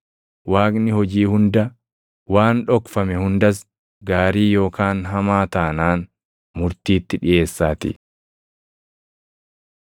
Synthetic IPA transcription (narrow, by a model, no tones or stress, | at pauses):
waːkʼnɪhɔd͡ʒiːhʊnd̪ɐ | waːnᶑɔkfɐmɛhʊnd̪ɐs̬ | ɡaːɾiːjo̞ːkaːnɦɐmaːt̪aːnaːn | mʊɾt̪iːt̪ːɪᶑɪje̞ːsːaːt̪ɪ̰